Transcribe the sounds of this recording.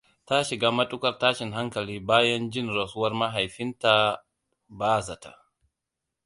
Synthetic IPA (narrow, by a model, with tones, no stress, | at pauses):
ta˦ʃɪ˨ɡaː˦mɐ˦ɗʼʊ˦kɐ˨rtaː˦ʃɪ˨ŋɦa˦ŋkɐ˨liː˦baː˦jɐ˦nd͡ʒɪ˦nɾɐ˨sʊ˦wɐ˦rma˦ɦa˨jɸɪ˦nta˨ | baː˦za˨ta̰˨